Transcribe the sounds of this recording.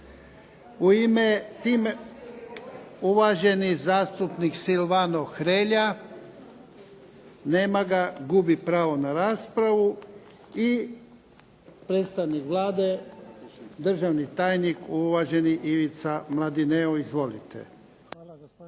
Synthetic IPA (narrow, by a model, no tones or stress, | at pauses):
uimet̪iːme | uʋaʒe̞nizaːst̪upniksilʋanoxɾeːʎa | neːmaɡaɡubipɾaːʋonaɾaːspɾaʋu | i | pɾeːt̪st̪aʋnikʋlˠaːd̪e̞ | d̪r̩ʒaʋnit̪aːjnikuʋaʒe̞niʔiʋit̪samlˠad̪ineoizʋolḭt̪ḛ